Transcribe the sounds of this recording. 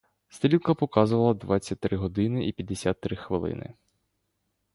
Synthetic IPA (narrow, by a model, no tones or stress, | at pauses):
st̪ʲɾʲilˠkɐpɔkɑzʊʋɐlˠɐd̪ʋɑt͡sʲːɐt̚ʲt̪ɾɪɦɔd̪ɪnɪʔipʲjɐd̪ːesʲat̪ːɾɪxʋɪlˠɪ̰nɪ̰